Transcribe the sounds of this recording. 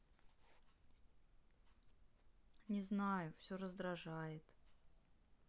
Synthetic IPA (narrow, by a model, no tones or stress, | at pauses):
nʲɪznajʊfsʲoɾəzd̪ɾɐʐajɪt̪